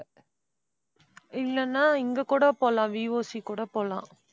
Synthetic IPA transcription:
ɪlːɐnːaːɪŋɡɐkuːɽɐpoːlãːʋiːʋoːsikuːɽɐpoːlã̰ː

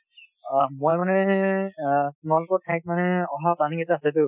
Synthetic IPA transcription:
mojmanɛ | kʊnalʊkɔɹtʰajk̚manɛɔɦapanikɛtaasɛtʊ̃

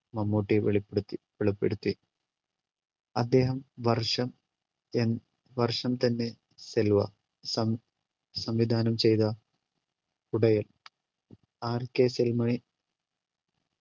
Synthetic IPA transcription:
mɐmːoːʈːiʋeɭipːeɽut̪ːiʋeɭɐpːeɽut̪ːi | ɐd̪ːe̞ːɦɐmʋɐrʂɐm | en | ʋɐrʂɐmt̪ɐnːe̞ | selʋɐ̰ | sɐ | sɐmʋid̪ʱaːnɐmt͡ɕe̞jt̪ɐ | uɽɐjɐl | aːrkeselmɐɳi

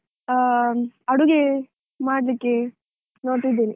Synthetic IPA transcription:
ɐɽuɡe | maːɽlikːe | noːɽʈ̪id̪ːiːni

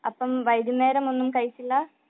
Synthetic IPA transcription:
ɐpːɐmʋɐjd̪jumeːɾɐmo̞nːumkɐjt͡ɕːilːɐ

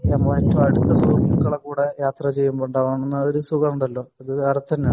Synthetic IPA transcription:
ɐmːɐːetːɐɐɽut̪ːɐsuɐukːɐɭekːuːɽejaːt̪rɐt͡ɕe̞jːumboːɳɖɐʋaːɳenːɐoɾusuɣɐuɳɖɐlːo̞ːɐðɨɐrɐt̪ːɐnːe

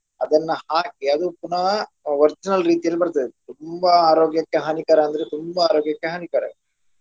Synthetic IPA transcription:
ɐd̪ɐnːɐhaːkiad̪upunɐʋɐɾt͡ʃɐnɐlɾiːt̪ijɐlbɐɾt̪ːɐðit̪umbɐaːɾoːɡjɐkːeɦɐnikaːɾɐɐnd̪ɐɾet̪umbɐaːɾoːɡjɐkːeɦɐnikaːɾɐ̰

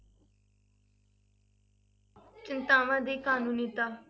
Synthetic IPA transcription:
t͡ʃɪnt̪aːʋãːd̪iːkaːnũːniːt̪aː

